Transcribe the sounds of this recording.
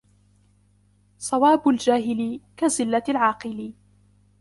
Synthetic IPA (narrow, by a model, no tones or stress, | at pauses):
sˤɑwaːbʊld͡ʒaːɦɪlkazɪlːaalʕɑːqɨlɪ